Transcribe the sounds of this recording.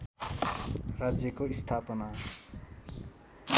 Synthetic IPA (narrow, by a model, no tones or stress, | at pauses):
rad͡zjʌkoist̪ʰapʌna